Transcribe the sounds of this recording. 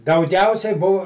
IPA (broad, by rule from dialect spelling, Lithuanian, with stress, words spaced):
dɐʊˈɡʲɛʊsʲɛɪ ˈbʊw